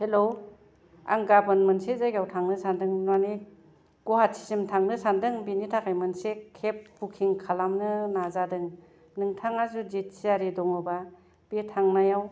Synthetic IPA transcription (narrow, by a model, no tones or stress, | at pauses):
helo | a̰ŋɡabɯnmɯnsezajɡawtʰaŋnɯsandɯŋnuani | ɡuhatsʰi̥simtʰaŋnɯsandɯŋbinitʰakʰajmɯnsekʰep̚ːukʰiŋkʰalamnɯnazadɯŋ | nɯŋtʰaŋazud͡ʒit̚siaɾidɔŋɯba | b̥etʰaŋnajaw